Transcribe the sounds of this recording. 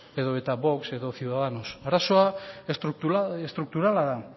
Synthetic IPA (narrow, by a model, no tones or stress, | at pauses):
e̞ðo̞e̞t̪aβo̞kse̞ðo̞θjuwðaðano̞saɾaso̞ast̪ɾut̪uest̪ɾuk̚t̪uɾalaða